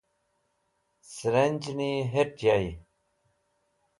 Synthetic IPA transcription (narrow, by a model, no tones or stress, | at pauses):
sɾenʲd͡ʑniɦeʈjai